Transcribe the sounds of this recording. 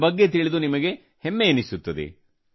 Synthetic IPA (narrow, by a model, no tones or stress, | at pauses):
bɐɡːe̞t̪̬iɭid̪unimɐɡe̞ | hemːeːnisut̪ːɐd̪ḛ